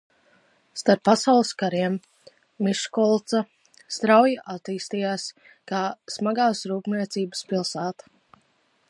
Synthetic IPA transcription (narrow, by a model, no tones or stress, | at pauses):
st̪aɾpːasawlˠɨskaɾiɛmː | iʃkɔlˠt̪sa | st̪ɾawjaʔat̪iːst̪ijaːs | kaːsmaɡaːsɾuːpniɛt̪siːbəspilˠsaːt̪ḁ